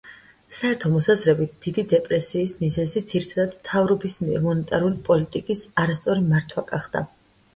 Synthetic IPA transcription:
saɛɾt̪ʰɔmɔsazɾɛbit̪̚d̪̥id̪id̪ɛpʼɾɛsiːsmizɛzid̪z̥iɾit̪ʰad̪ad̪mt̪ʰavɾɔbismiɛɾmɔnɛt̪ʼaɾulipʼɔlit̪ʼikʼisaɾast̪sʼɔɾimaɾt̪ʰwaɡaχd̪̥a̰

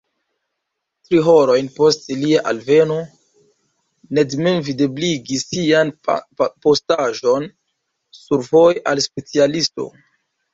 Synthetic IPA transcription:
tɾiɦoɾo̞jnpo̞stliaʔalve̞no̞ | nedmemvidebliɡisːianpo̞staʒo̞n | suɾvo̞jʔalspe̞t͡sialisto̞̰

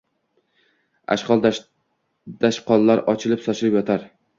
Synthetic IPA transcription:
a̰ʃqɒlˠd̪ | d̪̥aʃqʰɒlːaɾɒt͡ʃʰɪlɪpsɒt͡ʃʰɪlɪpjɒt̪ʰaɾ

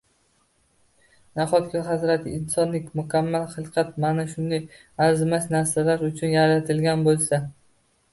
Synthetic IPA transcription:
naχɒt̪ɡʲaɦazɾat̪ʰɪɪnsɒnlɪkʲmʊkʲʰamːalχɨlˠqʰɑt̪manaʃʊnd̪aj | aɾzmasnaɾsalaɾʊt͡ʃʰʊnjaɾat̪ʰɪlɡʲanbolˠsa

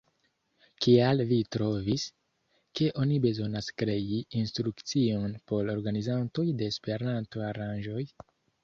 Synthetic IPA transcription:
kialvitɾo̞vis | ke̞ʔo̞nibe̞zo̞naskɾe̞iinstɾukt͡sio̞npo̞lo̞ɾɡanizanto̞jde̞ːspe̞ɾanto̞aɾanʒo̞j

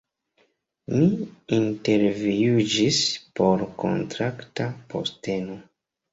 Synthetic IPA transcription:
miinte̞ɾviud͡ʒispo̞ɾko̞̰ntɾaktapo̞̰ste̞no

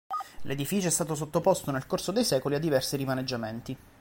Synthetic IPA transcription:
lʔed̪ifiːt͡ʃoɛst̪aːt̪os̬ot̪ːopost̪onelkorsod̪ejsɛːkoliad̪ːivɛrsiɾimaned͡ʒːament̪i

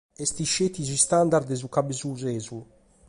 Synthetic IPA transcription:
ɛst̪iʃet̪izist̪and̪aɾd̪ezukabezuzɛzu

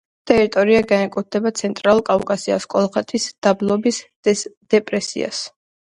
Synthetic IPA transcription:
t̪ʰʼɛɾit̪ʼɔɾiaɡanɛkʼut̪̚d̪ɛbat̪sʰɛnt̪ʼɾalˠulˠkʼaukʼasia̰skʼɔlˠχɛt̪ʰisd̪̥ablˠɔbis | d̪̥ɛpʼɾɛsḭa̰s

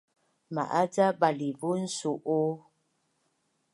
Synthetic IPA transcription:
ma̰ʔad͡zabalibun̩suʔo

